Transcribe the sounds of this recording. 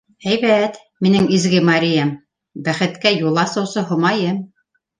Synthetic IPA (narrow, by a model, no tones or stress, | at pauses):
æjβæt̪ | minɘŋizɡɘmɑɾʲijam | bæχɘ̆t̪kæjulˠɑsɤ̆wsɤɦŏmɑjɤm